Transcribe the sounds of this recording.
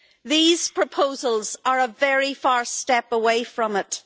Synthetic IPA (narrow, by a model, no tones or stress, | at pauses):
ðiz̥pʰɹ̥əpʰoʊzəlˠzə˞əvɛɹifaɹstɛpəweɪfɹə̃mɪt